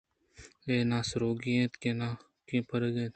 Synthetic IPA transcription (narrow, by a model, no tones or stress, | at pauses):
eːnãːsɾoːɡiẽːt̪kena | kẽːpəɾəɡẽːt̪